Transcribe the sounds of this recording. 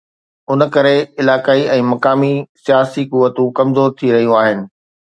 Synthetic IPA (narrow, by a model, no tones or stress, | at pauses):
ʊnəkɐɾeɪlaːkaːiɛ̃ːmɐkaːmisijaːsikʊʋːət̪ũkɐmzoːɾt̪ʰiɾɐɦijũaːɦɪnɪ̆